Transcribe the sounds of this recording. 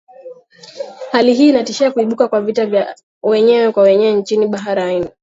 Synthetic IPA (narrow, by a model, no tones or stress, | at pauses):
haliɦiːnatiʃiakuiɓukakwavitavja | wɛɲɛwɛkwawɛɲɛwɛnt͡ʃiniɓaɦaɾaini